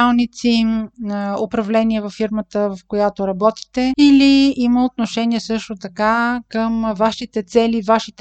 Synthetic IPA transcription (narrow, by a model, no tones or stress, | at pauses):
alˠnit̪simopɾɐvlɛniɛvɐfːiɾmət̪əvɐfkojat̪oɾɐbɔt̪i̥t̪ɛiliiməot̪̚noʃɛniɛsɤʃt̪ot̪ɐkakəmvaʃit̪ɛt̪sɛlivaʃit̪ɛ